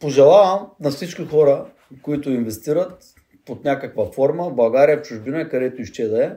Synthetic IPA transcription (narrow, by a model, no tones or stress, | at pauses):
poʒɛlˠavɐmnɐfsit͡ʃkʲixɔɾə | koit̪ʊinvɛst̪iɾət̪ | pot̪nʲakəkvɐfɔɾməblˠɐɡaɾijəft͡ʃʊʒbinɐɛkɐd̪ɛt̪oiʃt͡ʃɛd̪ɐɛ